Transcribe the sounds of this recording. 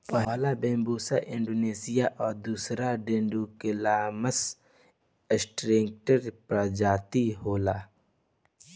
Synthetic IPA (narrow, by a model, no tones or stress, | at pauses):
pɐɦːlabẽːmbuːsaʔɪ̃ɳɖoːneːsɪjaʔɔːɾd̪uːsɾaɖẽɳɖukelaːməs | ɪsʈɾẽːŋk̚ʈəɾpɾad͡ʒaːt̪iɦoːlaː